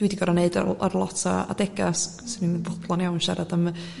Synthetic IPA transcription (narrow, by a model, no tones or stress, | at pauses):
d̥wɪdiɡɔɾaneɨda̰a̰ɾlˠɔtʰa̰a̰dɛɡa̰s | səninvɔd̪lˠaniawnʃaɾadəm